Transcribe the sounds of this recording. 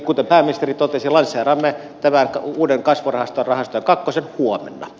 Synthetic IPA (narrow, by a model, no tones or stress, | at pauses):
kut̪empæːminist̪erit̪ot̪esilɑnsˑeːrɑmːe | t̪æmænkɑuːdeŋkɑsʋorɑhɑst̪orɑhɑst̪ojɑŋkɑkːosenhuomḛnːɑ̰